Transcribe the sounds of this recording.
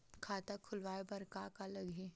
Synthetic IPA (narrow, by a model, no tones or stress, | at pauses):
kʰaːt̪akʰʊlʋaːebɐɾkakalɐɡɦẽː